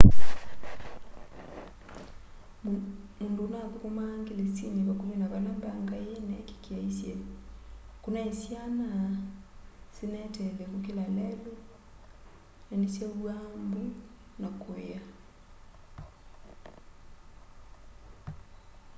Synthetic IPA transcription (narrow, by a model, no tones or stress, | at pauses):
mundonakokomaŋɡelesineβakominaβalambaŋɡaenɛke̥keaisjɛ | konaesjana | senɛtɛlɛkok̬elalɛlo | nanisjawambi | nakoa